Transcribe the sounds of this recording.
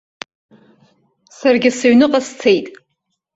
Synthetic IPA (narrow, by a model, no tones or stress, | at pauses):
sarɡʲɪsaɥnɨqʼast͡sʰejtʼ